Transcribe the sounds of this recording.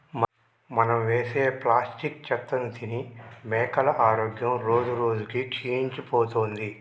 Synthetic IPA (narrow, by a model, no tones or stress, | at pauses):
m | mɐnɐmʋeːseːplaːsʈikt͡ʃɛt̪ːɐnt̪inimɛːkɐlɐʔaːɾoːɡjɐmɾo̞ːd͡ʒuɾoːd͡ʒukit͡ʃiːiɲt͡ʃipoːt̪oːnd̪i